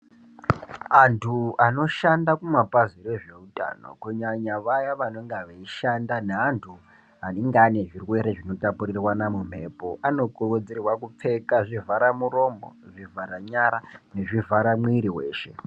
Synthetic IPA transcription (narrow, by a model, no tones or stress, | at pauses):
antʰuano̞ʃandakumapaziɾeʐe̞utʼa̰ːno̞̰kuɲaɲaʋajaʋano̞ŋɡeʋaiʃandaneɦantʰu | ɦaniŋɡene̞ʐirwe̞ɾe̞ʐino̞tapurirwanamum̤e̞ːpoʔano̞korod͡zirwakup͡fe̞kaʐivʱaɾamuɾo̞mo̰ʐivʱaɾaɲaɾane̞ʐivʱaɾamwiɾiwe̞ːʃe̞